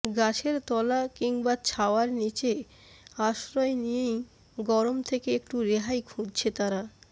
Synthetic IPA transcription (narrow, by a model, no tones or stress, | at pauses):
ɡat͡ɕʰeɾt̪ɔlakiŋbat͡ɕʰaoaɾnit͡ɕe | aʃɾɔenijej | ɡɔɾomt̪ʰekeek̚ʈuɾeɦajkʰũd͡ʑt͡ɕʰet̪aɾa